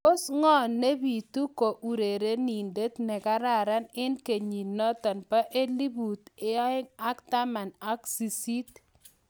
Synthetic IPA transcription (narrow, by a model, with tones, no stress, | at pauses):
ko˦sŋɔ˦ne˦bi˨t̪u˦ko˨ʔu˨ɾe˨ɾe˦ni˨nde˦t̪nɛ˨ka˦ɾa˦˨ɾa˦nɪ˦nke˨ɲi˨nɔ˦t̪ɔ˨npa˦ʔe˦li˦bu˨t̪ɪ˦a˦ɪ˦ŋa˦kt̪a˦ma˨na˦ksi˨si˦t̪̚